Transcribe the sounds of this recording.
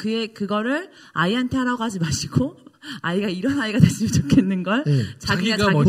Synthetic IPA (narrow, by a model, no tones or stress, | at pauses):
kɯɡe̞kɯɡʌɾɯɭ | aiɦantʰe̞ɦaɾaɡɦad͡ʑimaɕʰiɡoaiɡaiɾʌnaiɡataɕ͈ʰimot͡ɕʰokʰenːɯnɡʌɭt͡ɕaɡiɡaa